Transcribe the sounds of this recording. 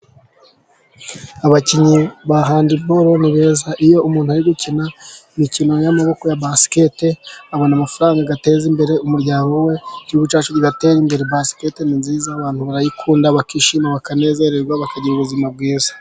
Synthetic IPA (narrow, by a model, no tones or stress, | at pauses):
aβaciɲiβaɦaːndibo̞ɾo̞niβe̞ːzaʔijo̞umuːnhuaɾiɡucinaimicino̞jamaβo̞kojabasi̥keteaβonamafaɾaːŋɡaɡate̞ːzimbe̞ɾe̞umuɾɟaːɾowe̞ɟuːβut͡ʃaːt͡ʃuɾiɡate̞ːɾimbe̞ɾebasi̥ke̞teninziːzaːβaːnhuβaɾajikʰuːndaβakiːʃimaβakane̞ːze̞ɾeɾɡwaβakaɟiɾuβuzimab̚ɡiːzḁ